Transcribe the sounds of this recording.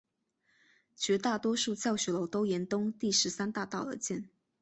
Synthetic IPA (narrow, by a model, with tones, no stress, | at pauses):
t͡ɕɥɛ˧˥t̪a˥˩t̪wɔ˥ʂu˥˧t͡ɕjɑ˥˩ʊɕɥɛ˧˥lo˧˥ʊt̪o˥ʊjɛ˧˥nt̪ʊ˥ŋt̪i˥˩ʂɻ̩˧˥sa˥nt̪a˥˧t̪ɑ˥˩ʊlə˨˦t͡ɕjɛ˥˩n